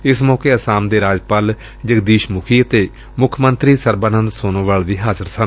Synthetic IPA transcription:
ɪsmɔːkeːəsaːmd̪eːɾaːd͡ʒpaːl | d͡ʒəkd̪iːʃmʊkʰiːət̪eː | mʊkʰmənt̪ɾiːsəɾbaːnənd̪soːnõːʋaːɭʋiːɦaːzəɾsən

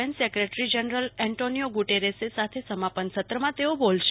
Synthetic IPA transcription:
ensekɾeʈɾid͡ʒənɾəlɛɳʈonijoɡuʈeɾesesat̪ʰesəmapənsət̪ɾəmãt̪eobolʃ

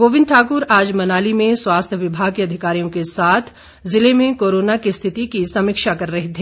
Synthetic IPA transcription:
ɡoːʋɪ̃nd̪̚ʈʰaːkʊɾaːd͡ʒmɐnaːlimẽswaːst̪ʰəʋɪbʱaːɡ̚kiɐd̪ʱɪkaːɾijõkesaːt̪ʰ | zɪlemẽkoːɾoːnakist̪ʰɪt̪ikisɐmɪkʃakɐɾːɐɦit̪ʰeː

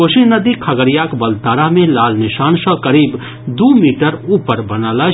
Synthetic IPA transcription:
osinəd̪ikʰɐɡəɾijaːkbɐlt̪aːɾamẽlaːlnɪʃaːnsə̃kəɾiːb | d̪uːmiːʈəɾuːpəɾbɐnaːla

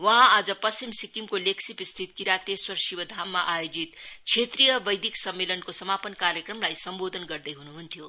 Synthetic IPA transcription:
wʌɦãad͡zʌpʌst͡ʃimsikimkoleksipist̪ʰit̪kiɾat̪eswʌrʃibʌd̪ʱamːaʔajod͡zit̪kt͡ʃʰet̪rijʌbʌjd̪ʱiksʌmːelʌnkosʌmapʌnkaɾjekrʌmlajsʌmbod̪ʱʌnɡʌrd̪ʌjɦunuɦunt̪ʰjo

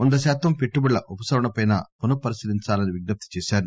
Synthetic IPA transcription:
ond̪ɐʃaːt̪ɐmpeʈːubɐɭlɐʔupɐsɐɾɐɳɐpɐjnɐ̰ːponɐpɐɾisid̪iɲt͡ʃaːlɐniʋiɡnɐp̚t̪i̥t͡ʃɛːʃaːɾu

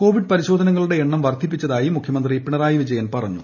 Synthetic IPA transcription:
ko̞ːʋiɖ̚pɐɾiɕo̞ːd̪ʱɐnɐŋːɐɭuɽe̞eɳːɐmʋɐrd̪ʱip̬ːit͡ɕːɐðaːjimukʰjɐmɐnd̪riepːiɳɐraːjiʋid͡ʑɐjɐnpɐrɐɲːṵ

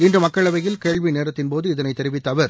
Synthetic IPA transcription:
ɪndrɯmɐkːɐɭɐʋɐjɪlkeːɭʋineːɾɐt̪ːɪnpoːðɯɪðɐnɐɪt̪ːɛɾɪʋɪt̪ːɐʋɐɾ

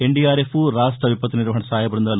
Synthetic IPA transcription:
eɳɖijaːɾefʰuɾaːʂʈɾɐʋipːɐt̪ːiniɾʋɐɦɐɳɐsaːjɐbɾɐnd̪aːl

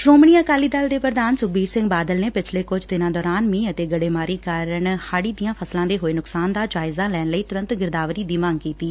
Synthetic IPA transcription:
sɾoːməɳiːaːkaːliːd̪əld̪eːpɾəd̪aːnsʊk̚biːɾsɪ̃ŋɡbaːd̪əlneːpɪt͡ʃʰleːkʊd͡ʒt̪ɪnãːd̪ɔːɾaːnmĩːət̪eːɡəɽeːmaːɾiːkaɾəɳhaːɽiːd̪ijãːpʰəslãːd̪eːɦoːeːnʊksaːnd̪aːd͡ʒaːɪzãːlɛːnləiːt̪ʊɾə̃nt̪ɡɪɾd̪aːʋɾiːd̪iːmãŋɡkiːt̪iː

